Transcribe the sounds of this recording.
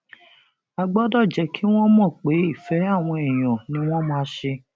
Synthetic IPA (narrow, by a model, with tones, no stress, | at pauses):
a˧ɡ͡bɔ˦dɔ˦˨d͡ʒɛ˨˧˦kʰi˦w̃ɔ̃˦mɔ̃˦˨k͡pe˨˦i˦˨fɛ˨˦a˦˨w̃ɔ̃˧e˨j̃ɔ̃˨nĩ˨˦w̃ɔ̃˦mãː˦ʃe˧